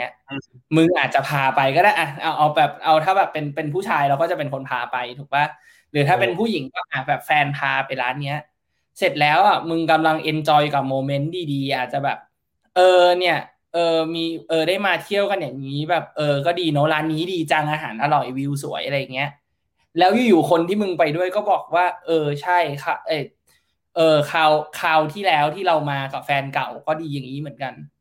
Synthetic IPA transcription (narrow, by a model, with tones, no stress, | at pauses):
i˦˥ɐ | mɯ˧ŋʔaː˨˩t̪̚t͡ɕa˨˩pʰaː˧pa˧jkɔː˥ɾaː˥˩jʔa˧˩ʔa˧wʔa˧wbɛː˨˩p̚ʔa˧wt̪ʰaː˥˩bɛː˨˩pːe˧npe˧npʰuː˥˩t͡ɕʰaː˧jɾɛː˧˦˥wkɔː˥˩t͡ɕa˨˩pe˧nkʰo˧npʰaː˧pa˧jt̪ʰuː˨˩k̚waː˥˩ | ɾɯː˩˦t̪ʰaː˥˩pe˧npʰuː˥˩ji˨˩˦ŋkɔː˥˩ʔaː˨˩bɛː˨˩p̚fɛː˧npʰaː˧pa˧nlaː˦˥nːi˦˥ɐ | se˨˩t̪̚lɛː˨˦˥wʔa˨˩mɯ˧ŋka˧mla˧ŋʔe˧nt͡ɕɔː˧jka˨˩p̚moː˧me˦˥ndiː˧diː˧ʔaː˨˩t̪̚t͡ɕa˨˩bɛ̰ː˨˩p̚ | ʔɤː˧ni˥˩ɐ | ʔɤː˧miː˧ʔɤː˧ɾaː˥˩jmaː˧t̪ʰi˥˩əwka˧njaː˨˩ŋŋiː˦˥bɛː˨˩p̚ʔɤː˧kɔː˥˩diː˧no˦˥laː˦˥nːiː˦˥diː˧t͡ɕa˧ŋʔaː˧ɦaː˩˦nʔa˧ɾɔ˨˩jwi˧ws̬u˨˩˦jʔa˧ɾa˧jːa˨˩ŋːi˦˥ɐʔ | lɛː˦˥wjuː˧˩juː˨˩kʰo˧nt̪ʰiː˥˩mɯ˧ŋpa˧jdu˥˩əjkɔː˥˩bɔː˨˩k̚waː˥˩ʔɤː˧t͡ɕʰa˥˩jkʰa˦˥ʔaː˧˩ | ʔɤː˧kʰaː˧wkʰaː˧wt̪ʰiː˥˩lɛː˦˥wt̪ʰiː˥˩ɾa˧wmaː˧ka˨˩p̚fɛː˧nka˨˩wkɔː˥˩diː˧jaː˨˩ŋːiː˦˥mɯ˩˦ə˦nka˧n